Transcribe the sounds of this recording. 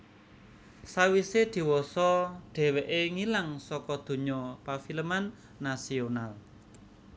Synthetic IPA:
sawised̪̥i̤wɔsɔɖ̪̥ɛ̤weʔeŋilaŋsɔkɔd̪̥ṳɲɔpafiləmanː | asional

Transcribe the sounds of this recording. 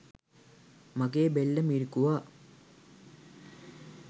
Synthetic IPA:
maɡeːbelːəmiɾikuʋaː

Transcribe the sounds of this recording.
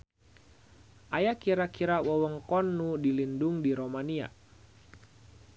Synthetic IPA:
ʔajakiɾakiɾawəwəŋkɔnːudilinduŋdiɾomania̰

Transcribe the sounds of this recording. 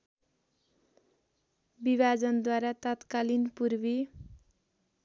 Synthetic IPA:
bibad͡zʌnd̪waɾat̪ʌt̪kalinpurbi

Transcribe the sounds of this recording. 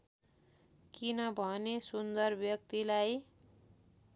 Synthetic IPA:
kinʌbʱʌnesund̪ʌrbjʌkt̪ilaj

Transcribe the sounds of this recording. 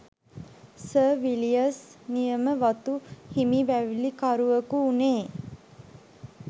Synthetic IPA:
səːʋilijəsnijəməʋat̪uhimiʋæʋilikaɾuʋəkuːneː

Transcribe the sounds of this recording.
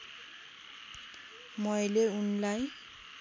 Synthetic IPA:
mɔjleunlaj

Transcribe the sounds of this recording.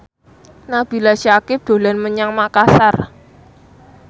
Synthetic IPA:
nab̥i̤laʃakɪp̚d̪̥o̤lanməɲaŋmakasar

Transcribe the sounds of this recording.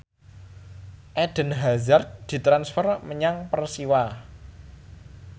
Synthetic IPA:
ʔɛɖ̥ə̤nɦazard̪̚d̪̥i̤t̪ɾansfərməɲaŋpərsiwa

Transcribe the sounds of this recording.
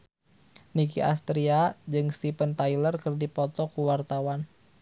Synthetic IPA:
nikḭa̰st̪ɾiad͡ʒɨŋst̪ipənt̪ajlərkɨrdipɔt̪ɔkuwart̪awan

